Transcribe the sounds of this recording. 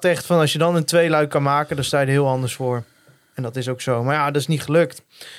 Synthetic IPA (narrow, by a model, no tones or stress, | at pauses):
tɛχtfɑnɑsjədɑnəntʋejlœɥkɑnmaːkədɑnstaːjdəɦɪːlˠɑndəɹsfʊːɹ | ɛndɑtɪsowksowmaːɹjadɔtɪsniχəlɵkt